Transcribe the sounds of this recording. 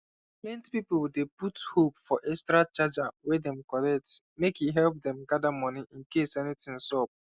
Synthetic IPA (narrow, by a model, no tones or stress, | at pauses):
mẽntpipowdeputhopfɔʔɛstɾat͡ʃad͡ʒawɛdɛ̃mkɔlɛk̚t | mekiɦɛlp̚dɛ̃mɡadamɔ̃niʔĩnkesɛnitĩŋsɔb̚